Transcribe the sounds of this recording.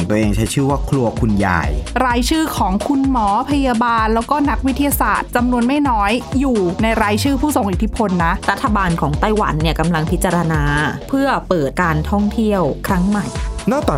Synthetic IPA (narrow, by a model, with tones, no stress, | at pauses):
ɔ˨˩˦ŋt̪u˧˩əʔeː˧ŋt͡ɕʰa˦˥jt͡ɕʰɯː˥˩waː˥˩kʰlu˧ɐkʰu˧nja̰ː˧jɾaː˧jt͡ɕʰɯː˥˩kʰɔː˩˦ŋkʰu˧nmɔː˩˦pʰa˧jaː˧baː˧nlɛː˦˥wkɔː˥˩na˦˥k̚wi˦t̪ʰːi˧jaː˧saː˨˩t̪̚t͡ɕa˧mnu˧ənma˥˩jnɔː˦˥jːuː˨˩na˧jɾaː˧jt͡ɕʰɯː˥˩pʰuː˥˩so˨˩˦ŋʔi˨˩t̪ʰːi˦˥pʰo˧nːa˦˥ɾa˦˥t̪ʰːa˧baː˧nkʰɔː˩˦ŋt̪a˥˩jwa̰˩˦nːi˥˩ɐka˧mla˧ŋpʰi˦˥t̪̚t͡ɕa˧ɾa˧naː˧pʰɯ˥˩ɐpɤː˨˩t̪̚kaː˧nt̪ʰɔ˥˩ŋt̪ʰi˥˩əwkʰɾa˦˥ŋma˨˩jkʰa˩nɔː˥˩t̪aː˨˩